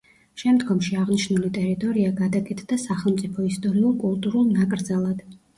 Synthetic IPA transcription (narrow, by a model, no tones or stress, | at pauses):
ʃɛmd̪ɡɔmʃiaʁniʃnulit̪ʼɛɾit̪ʼɔɾiaɡad̪akʼɛt̪ʰd̪asaχɛlˠmt̪sʼipʰɔist̪ʼɔɾiulˠkʼulˠt̪ʼuɾulˠnakʼɾd̪zalˠad̪̥